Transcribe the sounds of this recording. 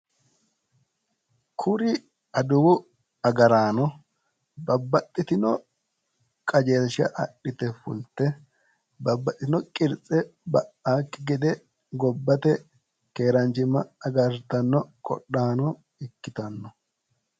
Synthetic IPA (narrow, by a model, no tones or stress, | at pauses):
kʰʊɾɪ | ɐd̪ʊwʊ | ɐɡɐɾaːnɔ | bɐbːɐt̪ʼːɪt̪ɪnɔ | kʼɐd͡ʒeːʃɐ̰ʔɐɗɪt̪ɛfʊlt̪ːɛ | bɐbːɐt̪ʼɪt̪ɪnɔkʼɪɾt͡sʼɛbɐʔaːkːɪɡɛd̪ɛ | ɡɔbːɐt̪ɛ | keːɾɐnt͡ʃɪmɐɐɡɐɾt̪ɐnːɔkʼɔ̰ɗaːnɔ | ɪkːɪt̪ɐnːɔ